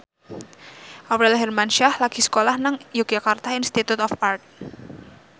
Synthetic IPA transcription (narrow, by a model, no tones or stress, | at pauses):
ʔawɾɛlɦɛrmanʃahlaɡ̥isə̥kolahnaŋjuɡ̥d͡ʒakart̪ainst̪it̪ut̪ɔfart̪̚